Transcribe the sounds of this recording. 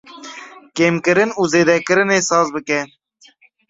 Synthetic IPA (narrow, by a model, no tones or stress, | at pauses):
keːmkɨɾɨnuːzeːd̪ɛkɨɾɨneːsɑːzbɨkɛ